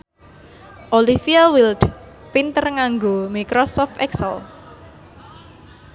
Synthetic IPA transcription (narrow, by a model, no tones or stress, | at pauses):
ʔolifiawild | pint̪ərŋaŋɡomikɾɔsɔft̪ɛksə̰l